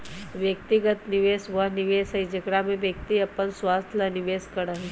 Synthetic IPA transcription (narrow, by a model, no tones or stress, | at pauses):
ʋjək̚t̪iɡət̪nɪʋeːsʋɐɦnɪʋeːsɐid͡ʒɐkɽamẽʋjək̚t̪iɐpːənswaːst̪ʰlɐnɪʋeːskɐɽəɦi